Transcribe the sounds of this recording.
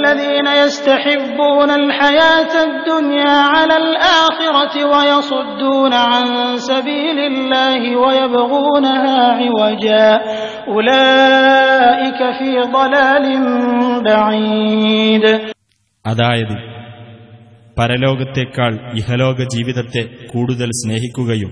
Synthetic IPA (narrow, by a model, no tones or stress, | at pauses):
lːaðiːnajast̪aħɪbːuːnalħajaːt̪ad̪ːʊnjaːʕalaːlʔaːxɪɾɑwajɑsˤʊd̪ːuːnaʕansabiːlɪlːaːhɪwajabaɣuːnahaːʕɪwad͡ʒaː | ʔʊlaː | ʔɪkafiːd̪ˤɑlaːlɪnbaʕi | d̪ | ɐðaːjɐðɨ | pɐɾɐlo̞ːɡɐt̪ːekːaːɭihɐlo̞ːɡɐd͡ʑiːʋiðɐt̪ːe̞kuːɽuðɐlsne̞ːɦikʲːuɣɐjum